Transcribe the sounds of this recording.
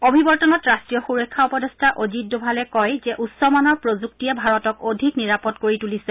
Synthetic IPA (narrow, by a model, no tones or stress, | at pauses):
obʱibɔɹtɔnɔtɹastɹijɔxuɹɔkʰːaupɔdestʰaʔozit̚dubʱalɛkɔjzɛʔussːɔmɔnɔɹpɹozuk̚tiɛbʱaɹɔtɔkodʱikniɹapɔdkoɹitulisɛ